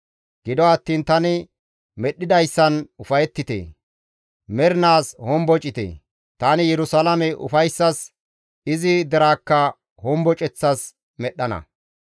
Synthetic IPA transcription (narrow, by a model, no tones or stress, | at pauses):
ɡ̥ɪd̪ɔɐt̪ːiːnt̪ɐnɪ | mɛɗːɪd̪ɐjsːɐnʊfɐjɛt̪ːɪt̪ḛː | mɛɾɪnaːshɔmbɔt͡ʃʼɪt̪ḛː | t̪aːnɪjɛɾʊsɐlɐmɛʔʊ̰fɐjsːɐs | ɪzɪd̪ɛɾaːkːɐ | hɔmbɔt͡ʃʼɛt͡sːɐs | mɛɗːɐnɐ̰